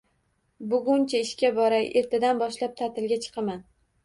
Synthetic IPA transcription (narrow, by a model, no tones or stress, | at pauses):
bʊɡʊnt͡ʃʰaɪʃkʲabɒɾajʔe̞ɾt̪ʰad̪anbɒʃlap̚t̪ʰat̪ʰɪlɡʲat͡ʃʰɨ̥qʰɑman